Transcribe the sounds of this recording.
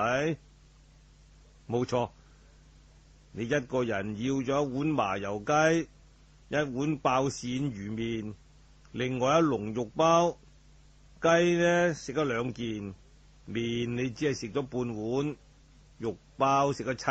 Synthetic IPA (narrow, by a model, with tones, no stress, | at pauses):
j | mo˨˧wt͡ʃʰɔː˧ | ne˨˧jɐ˥t̚kɔː˧jɐ˨˩njiː˧wt͡ʃɔː˨˦wuː˨˥nma̰ː˨˩jɐ˨˩wkɐ˥j | jɐ˥t̚wuː˨˥npaː˧wsiː˨˧nɥyː˨˩miː˨n | lɪ˨˩ŋːɔː˨˧jɐ˦˥t̚lʊ˨˩ŋjʊ˨k̚paː˥w | kɐ˥jnɛ˥sɪ˨k̚jɐ˥lœː˨˧ŋkiː˨n | miː˨nne˨˧jt͡siː˨˥hɐ˨jsɪ˨k̚t͡ʃɔː˨˥puː˧nwuː˨˥n | jʊ˨k̚paː˥wsɪ˨k̚ːɐ˧˥t͡sʰɐ˥